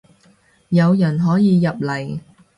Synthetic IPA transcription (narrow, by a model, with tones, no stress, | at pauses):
jɐ˨˧wjɐ˨˩nɦɔː˨˥jiː˨˧jɐ˨p̚lɐ˨˩j